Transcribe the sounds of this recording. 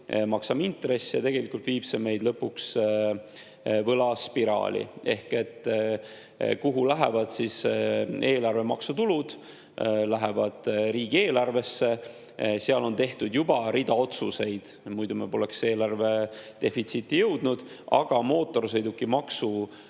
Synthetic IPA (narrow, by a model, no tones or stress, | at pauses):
mɑksɑmint̪re̞sːjɑt̪e̞ɡ̥e̞likːult̪viːb̥seme̞jd̪lɤpːuks | vɤlɑspiɾɑ̰ːlʲḭe̞hke̞t̪ː | kuɦulæɦevɑd̪̥sise̞ːlɑrve̞mɑksut̪ulud̪̥ | læɦevɑd̪̥ɾiːɡ̥ie̞ːlɑrve̞sːe | seɑlo̞nt̪e̞ht̪ud̪jubɑɾid̪̥ɑo̞t̪suse̞jd̪̥ | mujd̪̥umebo̞lekse̞ːlɑrve̞t̪e̞fit̪sit̪ˑːijɤwd̪̥nud̪̥ | ʔɑ̰ɡ̥ɑmo̞ːt̪ːˑo̞rsɤ̞jd̪ukːimɑksu